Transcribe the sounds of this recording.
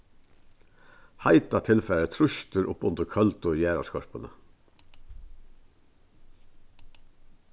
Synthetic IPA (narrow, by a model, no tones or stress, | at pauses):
hɑɪt̪ɑt̪ʰɪlfɛɾət̪ʰɾʊçt̪əɾʔʊpːʊnd̪əɾkʰœlt̪ʊjæːɾɑ̰skʰɔɹpənə̰